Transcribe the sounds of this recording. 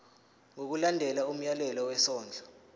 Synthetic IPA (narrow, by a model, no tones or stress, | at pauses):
ŋok̬ulandʱɛlaum̩jalɛlɔwɛsɔːnd͡ɮʱɔ